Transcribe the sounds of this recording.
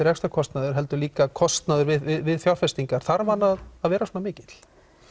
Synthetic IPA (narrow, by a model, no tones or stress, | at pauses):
ɪɾɛkst̪ḁkʰɔst̪naðʏɾ̥ɦɛl̪t̪ʏɾliːkakʰɔst̪naðʏɾvɪðvɪðvɪðθjawrfɛst̪iŋkaɾ̥θaɾvanːaðːðvɛːɾasɔːnamɪːcɪt̪l̥